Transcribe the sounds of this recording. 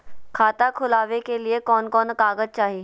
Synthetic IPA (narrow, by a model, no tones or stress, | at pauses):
kʰaːt̪akʰʊlaːʋekeliekɔːnkɔːnkaːɡəd͡ʒt͡ʃaːɦie